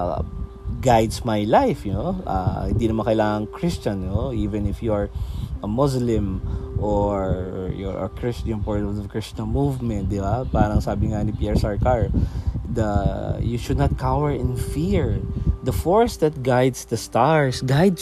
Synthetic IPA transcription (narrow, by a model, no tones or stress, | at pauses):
ɡajd̪smajlajfnoʔa̰hɪ̃nd̪inɐmãŋkɐʔɪlaːŋɐŋkɹɪst͡ʃɐnoiːvɛ̃nɪfjuɐɹʔɐmɔslɪ̃mʔoɹjɔ̰ɐ̰kɹɪst͡ʃɐnpaɹt̪ɔvdɐkɹɪst͡ʃɐnmuvmɛ̃nt̪̚d̪ɪbapaːɾɐŋsaːbɪŋanipjɛɹsaɹkaɹd̪ɐjuʃʊd̪̚nɐt̪̚kʰawɛɹɪ̃nfiɹd̪ɐfɔɹsd̪ɐt̪̚ɡajd̪sd̪ɐst̪aɹsɡajd̪s